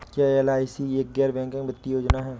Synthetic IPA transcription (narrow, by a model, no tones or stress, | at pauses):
kjaːɛlaːɪsieːk̚ɡɛːɾbɛ̃ːŋkɪ̃ŋɡbɐt̪ːijoːd͡ʒnaɦɛː